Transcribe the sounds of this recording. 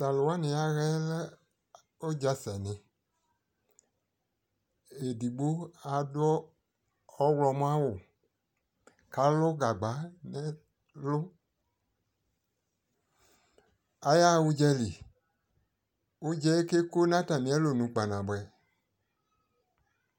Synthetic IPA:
sa˨lo˨wa˦nĩ˧a˧ɣɛ˦la˦ | o˦d͡ʒa˧sɛ˨nɪ̃˧ | e˨di˨ɡ͡bo˦a˧dʊ˦ɔː˦ | wlɔ˧mũ˦a˦wʊ˨ | ka˨˦lʊ˦ɡa˨ɡ͡ba˨˦nɛ˦ | lʊ˦ | a˧ja˦˨u˧d͡ʒɛ˧li˨ | u˦d͡ʒɛ˦e˦ke˦ko˦nã˦ta˨nĩ˨˦ɛ˨˦lo˨nũ˨˦k͡pa˨nã˨bɛ˨

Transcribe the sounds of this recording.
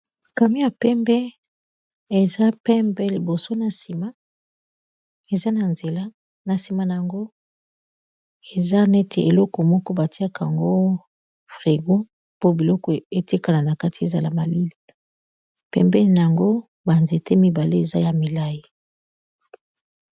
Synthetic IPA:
ka˨mi˦ja˨pɛ˦mbɛ˦ | e˨za˦pɛ˦mbɛ˦li˨bo˨so˦na˨si˨ma˦ | e˨za˦na˨nze˨la˦ | na˨si˨ma˦na˨a˨ŋɡo˦ | e˨za˦ne˦te˨e˨lɔ˦kɔ˨mɔ˦kɔ˦ba˨ti˦a˦kʰa˨ŋɡo˦ | fʁi˨ɡo˦ | po˦bi˨lɔ˦kɔ˨e˨te˦ka˨la˨na˨ka˦ti˨e˨za˨la̰˨ma˨li˦li˨ | pɛ̰˦mbɛ˦˨n˨a˨ŋɡo˦ | ba˨nze˨te˦mi˨ba˨le˦e˨za˦ja˨mi˨la˦ji˦

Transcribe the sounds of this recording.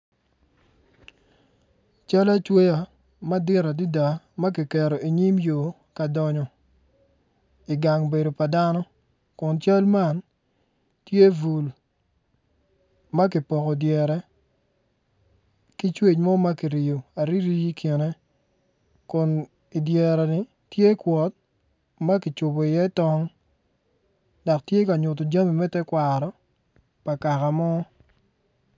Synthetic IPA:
t͡ʃa˦la˦t͡ʃwe˦ja˨ | ma˦dɪ˦ɾa˨di˦da˨ | ma˦k̬ɪ˨kɛ˨ɾo˨i˨ɲi˦mjo˨ | ka˨dɔ˨ɲɔ˨ | i˨ɡa˨ŋbe˨do˨pa˨da˦nɔ˦ | kʊ˨nt͡ʃa˦lma˦˨n | tje˦vu˨l | ma˦k̬ɪ˨pɔ˨kɔ˨djɛ˨ɾɛ˨ | ki˦t͡ʃwe˦˨t͡ʃmɔ˦ma˦ki˨ɾi˨jo˨a˨ɾi˦ɾi˦ji˦kje˨ne˦ | kʊ˨n | i˨djɛ˨ɾɛ˨nɪ˨ | tje˦kwɔ˨t̚ | ma˦kɪ˨t͡ʃʊ˨bo˨i˨jɛ˦tɔ˦ŋ | da˨ktje˦ka˨ɲʊ˨t̬o˨d͡ʒa˦mi˨mɛ˦tɛ˦kwa˨ɾɔ˨ | pa˨ka˨ka˨mɔ˦

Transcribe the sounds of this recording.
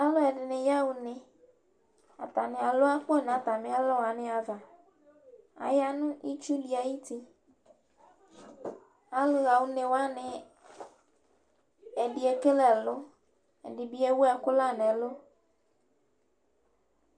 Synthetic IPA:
a˦lo˦ɛ˨ɖɪ˨nɪ̃˨ja˦wu˨nɪ̃˨ | a̰˨t̪a˨nɪ̃˨a˨lo˦a˦k͡po˦˨nã˨˦t̪a˨mɪ̃˦a˦lɔ˦wo˨a˨nɪ̃˨˦a˨va˨ | a̰˨ja˦nũ˦ʔi˦t͡ʃu˦li˨a˨ji˦t̪i˦ | a˦le˦ɣa˨wu˦nẽ˨wa˦nɪ̃˨ | e˨ɖi˨e˦ke˦lɛ˨lʊ˦ | e˨ɖɪ˨bi˦e˦wu˦ɛ˨kʊ˦la˦nẽ˨lo˦

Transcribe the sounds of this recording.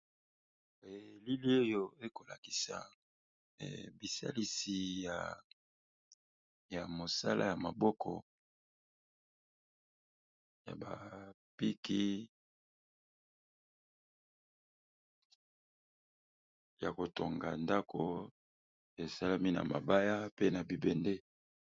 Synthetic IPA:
e˨li˦li˦o˦jo˦e˦ko˨la˨ki̥˨sa̰˨ | bi˨sa̰˦li˦si˨ja˨ | ja˨mo˨sa˦lʔa̰˦ja˨ma˨bɔ˦kʰɔ̰˨ | ja̰˨ba˨ | pi˦ki˦ | ja˨ko˨to˨ŋɡa̰˨nda˦kʰo˦ | e˨sa˦la˦mi˦na̰˨ma̰˨ba˦ja˦pe˦na˨bi˨bɛ˨nde˦

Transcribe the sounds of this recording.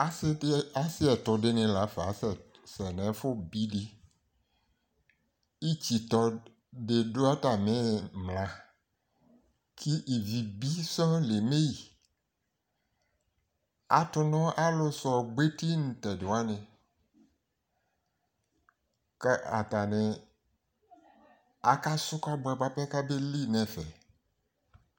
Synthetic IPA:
a˦sa˦si˦ɛ˨t̪ɔ˨ɖe˦nẽ˨la˨˦fa˨sɛ˨ | sɛ˨nɛ̃˨˦fo˦bi˦ɖi˦ | i˦t͡ɕi˨t̪ɔ˨ | ɖe˨ɖo˦a˦ta˨mẽ˦mlã˨ | kʰi˦ʔi˨vi˨bi˦sɔ̃˦le˨me˦ji˨ | a̰˨tʊ˨nɔ̃˦ʔa˦lo˨sɔ˨ɡ͡be˦ti˦nũ˨t̪ɛ˨do˨a˦nɛ̃˨ | ka̰˨t̪a˨nɛ̃˨ | a˨ka˦sʊ˦ka˦bɛ˨ba˦pɛ˦ka˦be˦li˦nɛ̃˨fɛ˨

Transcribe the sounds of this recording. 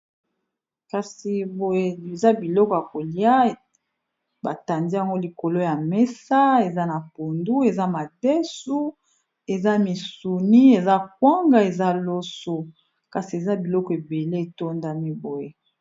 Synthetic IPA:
ka˨si˨bo˨je˦e˨za˦bi˨lɔ˦kɔ˨ja˨ko˨li˦a˦˨ | ba˨ta˨ndi˦a˨ŋɡo˦li˨ko˨lo˦ja˨mɛ˦sa˦e˨za˦na˨po˨ndu˦e˨za˦ma˨dɛ˦su˦ | e˨za˦mi˨su˨ni˦e˨za˦k̚wa˦ŋɡa˦e˨za˦lo˦so˦ | ka˨si˨e˨za˦bi˨lɔ˦kɔ˨e˨be˨le˦e˨to˦nda˦mi˦bo˨je˦

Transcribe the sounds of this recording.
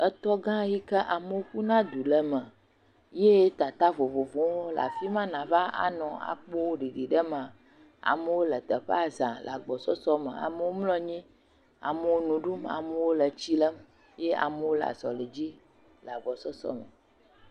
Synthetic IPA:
ə˦t̪ɔ˦ɡã˦ji˦kə˦ʔa˨mə˦wo˦ku˦nã˦d̪u˨lə˦mə˨ | je˦t̪a˨t̪a˦vo˨vo˨võ˨wo˦la̰˨fi˦mã˦nã˨va˦a̰˨nɔ̃˨a̰˨k͡po˦wo˦ɖi˨ɖi˨ɖə˦mã˨ | a̰˨mə˦wo˦lə˨t̪ə˨ɸe˦a˨zã˨l̰a˨ɡ͡bɔ˨sɔ˦sɔ˦mə̰̃˨a̰˨mə˦wo˦mlɔ̃˦ɲĩ˦ | a̰˨mə˦wo˦nũ˨ɖu˦ma̰˨mə˦wo˦lə˨t͡ɕi˦lə˦m | je˦a̰˨mə˦wo˦la̰˨zɔ̰˨lə˨d͡ʑi˦ | la˨ɡ͡bɔ˨sɔ˦sɔ̰˦mə̰˨

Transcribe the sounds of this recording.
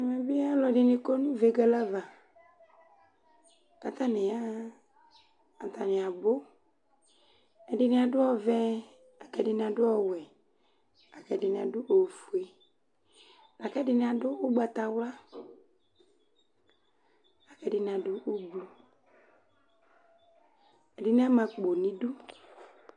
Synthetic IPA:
me˨bi˦a˦lɔ˨ɖɪ˨nɪ̃˨ko˦nũ˦ve˨ɡɛ˨la˦va˨ | ka˦t̪a˦nɪ˨ja˦ | a˨t̪a˨nɪ̃˨a˨bo˦ | ɛ˨dɪ˨nɪ̃˨a˨ɖʊ˦ɔ˦vɛ˦ | a˨kɛ˨ɖɪ˨ñ˨a˨ɖʊ˦ɔ˦wɛ˨ | a˨kɛ˨dɪ˨nɪ˨a˨dʊ˦ʔo˨fu˨e˨ | la˨kɛ˦dɪ˨nɪ˦a˨dʊ˦ʊ˦ɡ͡ba˨t̪a˨wla˦ | a˨kɛ˨dɪ˨nɪ˨a˨dʊ˦ʔʊ˦blu˨ | ɛ˨dɪ˨nɪ˦a˦mã˨k͡po˨nĩ˦dʊ˦

